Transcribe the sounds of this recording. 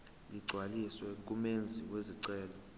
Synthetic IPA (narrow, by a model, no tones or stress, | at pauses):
liɡ͡ǀʱwaliswɛŋkʼumend͡zʱiweziǀɛːlɔ